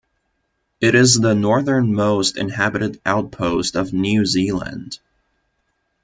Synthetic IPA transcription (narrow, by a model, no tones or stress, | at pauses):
ɨɾɪzðənɔɹðə̃˞nmoʊstɨ̰̃nhæbɨɾɨɾʔaʊt̚pʰoʊstʌvnjʉzilˠə̰̃nd̥